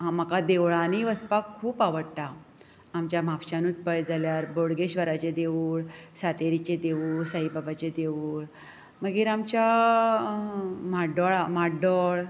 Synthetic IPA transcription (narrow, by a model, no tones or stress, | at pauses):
ɦaməkad̪eʋɭaniːʋəspakʰːuːpaʋəɽt̪aː | mt͡ɕjam̤apɕanuːt̪pəjd͡zaljaɾboɽɡeɕʋəɾat͡ɕed̪eʋuːɭsat̪eɾit͡ɕed̪eʋuːɭsəɦibabat͡ɕed̪eʋuːɭ | məɡiːɾamt͡ɕja | maɖɔɭamaɖɔɭ